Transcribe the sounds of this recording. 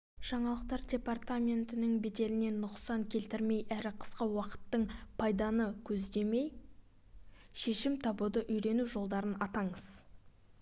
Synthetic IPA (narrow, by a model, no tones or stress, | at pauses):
ʒ̥ɑɴɑlˠəq̚t̪ɑɾdʲe̞part̪amʲe̞nt̪ɪnɪŋbet̪e̞lɪne̞nːʊqsɑŋkʲʰe̞lt̪ɪɾme̞jʔæɾɪqʰə̥sqəwɑqə̥t̪ːəɴpʰɑjd̪ɑnəkʲʰɵzd̪e̞me̞j | ʃe̞ʃɪmt̪ʰɑbud̪əʔʏjɾe̞nuʒo̞lˠd̪ɑɾənɑt̪ɑɴəz̥